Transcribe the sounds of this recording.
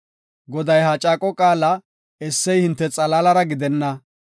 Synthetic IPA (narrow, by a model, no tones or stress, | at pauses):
ɡɔd̪ɐjɦat͡ʃʼaːkʼɔkʼaːlɐ | ɛsːɛjhɪnt̪ːɛt͡sʼɐlaːlɐɾɐɡɪd̪ɛnːɐ